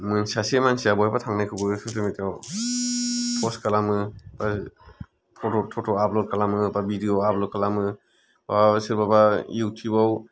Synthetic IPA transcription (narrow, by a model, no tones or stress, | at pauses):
mɯnsasemansijabɔhabatʰaŋnajkʰɯbɯsʰutʰɯmitaw | pʰɔskalamɯb̥a | pʰɔtɔtʰɔtʰɔaplɔd̚kʰalamɯbabidiɔaplɔt̚kʰalamɯ | basɯɾbabajiwtʰibaw